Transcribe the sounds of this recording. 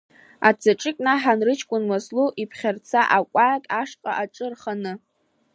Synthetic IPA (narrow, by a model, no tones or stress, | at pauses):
a̰t͡sʰaʈ͡ʂʼɪkʲʼnaħanrɨt͡ʃʰkʷʼʊnmasluʔipʰχʲart͡sʰaʔakʷʼajakʼaʂqʼa̰ʔaʈ͡ʂʼɨrχanɨ